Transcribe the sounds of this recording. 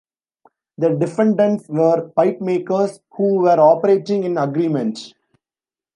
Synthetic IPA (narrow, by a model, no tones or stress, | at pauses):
d̪əɖɪfɛ̃ɳɖə̃ɳʈsʋəɾpaɪpmeːkəɾs | huːʋəɾɔːpəɾeːʈɪ̃ŋɡɪ̃nɐɡɾiːmɛ̃ɳʈ